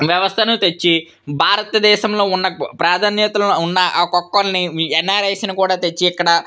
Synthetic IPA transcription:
ʋjɛʋɐst̪ʰɐnut̪et͡ʃːi | bʱaːɾɐt̪ɐd̪ɛːʃɐmlo̞ːunːɐpɾaːd̪ʱaːnjɐt̪ɐlunːɐʔaːkɔkːɐlniɛnːaːɾeːsinɐkuːɽaːt̪et͡ʃːiːkːɐɽɐ

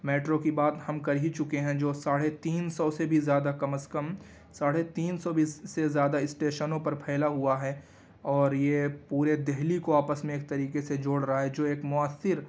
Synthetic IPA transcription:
meːʈɾokibaːt̪hɐmkɐɾit͡ʃʊkeɦɛ̃d͡ʒoːsaːɽet̪iːnsɔsebʱizjaːd̪akɐməskəm | saːɽet̪iːnsɔbʱisezjaːd̪aɪsʈeːʃənõpɐɾpʰɛːlaɦuaɦɛː | ɔːɾjepuːɾed̪ɛɦlikoaːpəsmẽeːk̚t̪ɐɾiːkesed͡ʒoːɽɾɐɦaɦɛd͡ʒoːeːkmʊaːsːɪɾ

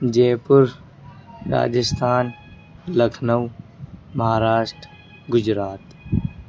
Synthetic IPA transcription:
d͡ʒeːpʊɾ | ɾa̰ːd͡ʒɪst̪ʰaːn | ləkʰnəwmɐɦaːɾaːʃʈɾ | ɡʊd͡ʒɾaːt̪

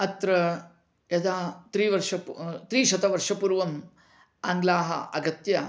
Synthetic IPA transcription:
ɐt̪ɾɐ | jɐd̪aːt̪ɾiːʋɐɾʂɐpt̪ɾiːʃɐt̪ɐʋɐɾʂɐpuɾʋɐm | a̰ːŋɡlaːɦɐ̰ʔɐɡɐt̪jɐ

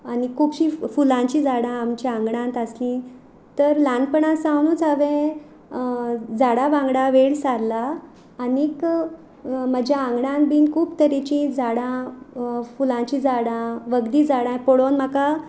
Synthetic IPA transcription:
anikʰuːpɕifulãt͡ɕid͡zaɽãːmt͡ɕiaŋɡɽãnt̪əslĩ | t̪əɾlanpəɳãsãwnuːt͡saʋẽ | d͡zaɽaʋãŋɡɽaʋeɭsaɾlaː | nik | məd͡ʑʱjaãŋɡɽãnt̪̚bʱiːnkʰuːpt̪əɾet͡ɕĩd͡zaɽã | fulãt͡ɕĩd͡zaɽãʋəɡd̪iːd͡zaɽãpɔɽonm̤əka

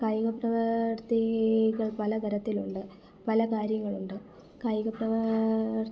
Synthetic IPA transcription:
kaːjuɣɐprɐʋɐrt̪iɣɐɭpɐlɐd̪ʱɐɾɐt̪ːiluɳɖɨ | pɐlɐkaːɾjɐŋːɐɭuɳɖɨ | kajuɣɐprɐʋɐ

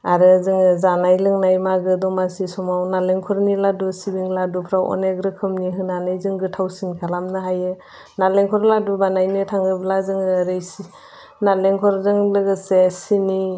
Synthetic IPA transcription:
aɾɯzɯŋɯzanajlɯŋnajmaɡɯdɔmasisɔmawnaleŋkʰɔɾniladusibiŋladupʰɾawʔɔ̰neɡɾɯkʰɯmniɦɯnanajzɯŋɡɯtʰawsinkʰalamnɯɦajɯ | naleŋkʰɔɾladubanajnɯtʰaŋɯblazɯŋɯɾɯjsi | naleŋkʰɔɾzɯŋlɯɡɯsesini

